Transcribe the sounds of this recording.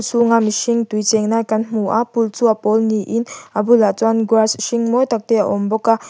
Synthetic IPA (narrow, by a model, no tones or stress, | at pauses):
t͡suŋamiʃiŋtwujt͡sɛŋnajkɐnm̥uʔapult͡suapɔlniʔinʔabulat͡swanɡwasʃiŋmɔjt̪ak̚t̪ɛa̰ʔɔmbɔka